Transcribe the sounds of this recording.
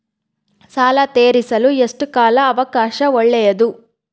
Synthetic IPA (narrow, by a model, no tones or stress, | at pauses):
saːlɐt̪eːɾisɐlueʂʈukaːlɐːʋɐkaːʃɐɔɭːɛjɐd̪u